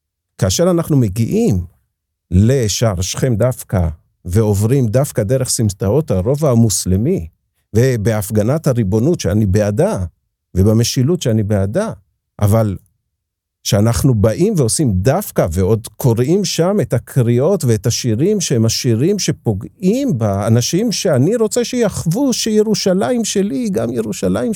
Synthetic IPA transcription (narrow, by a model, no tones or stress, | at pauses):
kaːʃe̞ʁanaχnume̞ɡiʔim | le̞ʃaʁʃχe̞md̪afka | ve̞o̞vʁimdafkad̪e̞ʁe̞χsimtao̞thaʁo̞vaːmuslemi | ve̞be̞afɡanathaʁibo̞nutʃeanibe̞ada | ve̞bame̞ʃilutʃeanibeada | ʔa̰val | ʃeanaχnubaʔimveo̞simdafkaveo̞d̪kʰo̞ʁimʃame̞takʰʁio̞tve̞etaʃiʁimʃehemaʃiʁimʃe̞po̞ɡimbaːnaʃimʃe̞aniʁo̞t͡seʃejaχvuʃeje̞ʁuʃalaimʃe̞liɡamje̞ʁuʃalaim